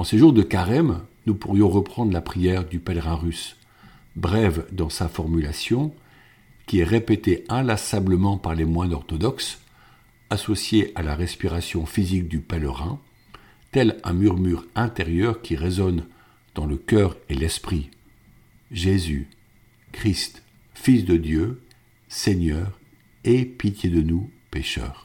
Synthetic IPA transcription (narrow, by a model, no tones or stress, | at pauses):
ɑ̃seʒuʁd̪əkaʁɛmnupuʁjɔ̃ʁəpχɑ̃d̪ʁlapχijɛʁd̪ypɛlʁɛ̃ʁys | bʁɛvd̪ɑ̃safɔʁmylasjɔ̃ | kʲiɛʁepet̪eɛ̃lasabləmɑ̃paʁlemwɛ̃nɔʁt̪ɔd̪ɔks | asɔsjeʔalaʁɛspiʁasjɔ̃fizik̚d̪ypɛlʁɛ̰̃ | t̪ɛlɛ̃myʁmyʁɛ̃t̪eʁjœʁkʲiʁezɔn | d̪̥ɑ̃ləkʲœʁelɛspχi | ʒezy | kχist̪ | fisd̪əd̪jø | seɲœːʁ | epit̪jed̪ənupeʃœ̰ːʁ